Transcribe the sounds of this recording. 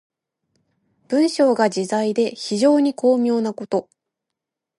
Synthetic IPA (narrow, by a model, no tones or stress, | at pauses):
b̥ɯ̟̃ɰ̃ɕo̞ːɡad͡ʑizaid̪e̞çiʑo̞ːɲ̟iko̞ːmʲjo̞ːnako̞t̪o̞